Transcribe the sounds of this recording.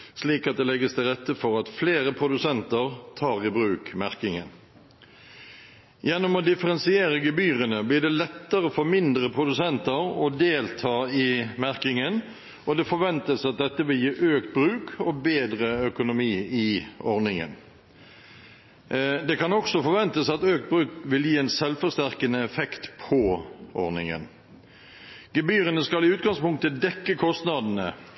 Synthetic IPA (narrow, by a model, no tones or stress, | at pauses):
sliːkɑt̪̚d̪ɛlɛɡəst̪ʰɪlʁɛt̪ːəfɔʁɑt̪fleːʁəpʰʁʊd̪ʉsɛnt̪əʁt̪ʰɑːʁɪbɾʉːkmæʁkɪŋə̰n | jɛnːɔmɔd̪ɪfəʁɛnsɪeːɾəɡəbyːʁənəblɪʁd̪ɛlɛt̪ːəʁəfɔɾmɪnd̪ʁəpʰʁʊd̪ʉsɛnt̪əɾɔd̪eːlt̪ʰɑːɪmæʁkɪŋən | ɔd̪ɛfɔɾʋɛnt̪əsɑt̪̚d̪ɛt̪ːəʋɪljiːʔøːkt̪̚bʁʉːkʰɔbeːd̪ʁəœkʊnʊmiːɪɔʁnɪŋə̰n | d̪ɛkɑnɔksɔfɔɾʋɛnt̪əsɑt̪øːk̚t̪̚bʁʉːkʋɪljiːɛːnsɛlfɔʁst̪æʁkənəɛfɛkt̪pʰɔʔɔ̰ʁnɪ̰ŋə̰n | ɡ̥ɛbyːɾənəskɑlɪʉːt̪̚ɡɑŋspʊŋk̚t̪əd̪ɛkːəkʰɔst̪nɑd̪n̩ə